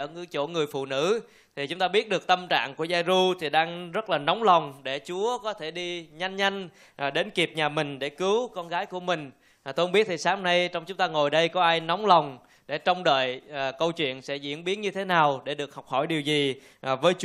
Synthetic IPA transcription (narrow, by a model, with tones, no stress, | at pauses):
əː˧˩ŋɨ˧˥t͡ɕo̰˧˩ŋɨ˨˩əjfṵ˧˨nɨ̰˧˥ | t̪ʰi˨˩t͡ɕʊ˨˦ŋ͡mt̪aː˧ɓi˦˥ət̚ɗɨ˨˩ək̚t̪ə˧mt͡ɕa̰ː˧˨ŋku˧˩əzaː˧jzu˧t̪ʰi˨˩ɗaː˧ŋzə˦˥t̚laː˨˩nɔ˨˦wŋ͡mla˨˩wŋ͡mɗe˧˩t͡ɕu˨˦əkɔ˨˦t̪ʰe˧˩ɗi˧ɲa˧jŋ̟ɲa˧jŋ̟˨˩ | ɗe˨˦nki˨˩əp̚ɲaː˨˩mï˨˩ŋ̟ɗe˧˩kɨ˨˦wkɔ˧nɣaː˨˦jku˧˩əmï˨˩ŋ̟˨˩ | t̪o˧jʔŋ͡mɓi˦˥ət̚t̪ʰi˨˩saː˨˦mna˧jt͡ɕɔ˧wŋ͡mt͡ɕʊ˨˦ŋ͡mt̪aː˧ŋo˨˩jɗə˧jkɔ˨˦ʔaː˧jnɔ˨˦wŋ͡mla˨˩wŋ͡m | ɗe˧˩t͡ɕɔ˧wŋ͡mɗə̰ː˧˨jkə˧wt͡ɕwḭ˧˨ənsɛ̰˧˥zḭ˧˥ənɓi˨˦ənɲɨ˧t̪ʰe˨˦naː˨˩wɗe˧˩ɗɨ˨˩ək̚hɔ˨˩wk͡p̚hɔ˧˩jɗi˨˩əwzi˨˩˨ | vəː˨˦jt͡ɕ